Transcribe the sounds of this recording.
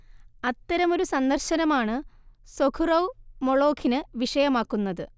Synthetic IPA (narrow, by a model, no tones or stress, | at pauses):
ɐt̪ːɐɾɐmo̞ɾusɐnd̪ɐrɕɐnɐmaːɳɨsokʰurɐwmoɭo̞ːkʰinɨʋiʂɐjɐmaːkːunːɐðɨ